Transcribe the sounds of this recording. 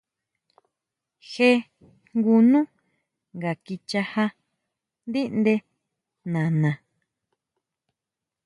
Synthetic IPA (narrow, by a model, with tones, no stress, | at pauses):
he˦ | ŋɡu˧nũ˦ | ŋɡa˨ki˧t͡ʃa˧ha˧ | nd̪i˦ʔnd̪e˧ | nã˨nã˨